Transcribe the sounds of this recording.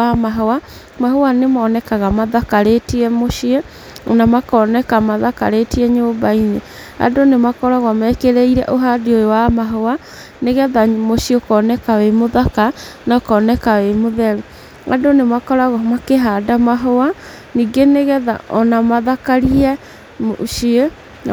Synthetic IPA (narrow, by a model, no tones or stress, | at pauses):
amaɦowa | mahowanemaːnɛkaɣamaðakaɾetiɛmoʃie | ɔnamakɔnɛkamaðaka̰ɾetiɛɲobaine | a̰donemakɔɾaɣamɛkeɾeiɾɛ̰ʔoɦadiojowamaɦowa | neɣɛðamoɕiokɔnɛkawemoðakanakɔːnɛkawemoðɛɾu | a̰donemakɔɾaɣɔmakeɦadamaɦowa | niːɡeneɣɛða̰ʔɔnamaðakaɾiɛ | moʃie